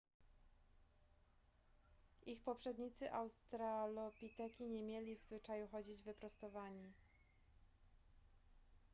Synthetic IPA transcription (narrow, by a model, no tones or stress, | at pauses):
ʔixpɔpʂɛd̪ɲit̪sɘʔawst̪ɾalɔpʲit̪ɛkʲiɲɛmʲjɛlʲivzvɘt͡ʂajuxɔd͡ʑid͡ʑvɘpɾɔst̪ɔvaɲi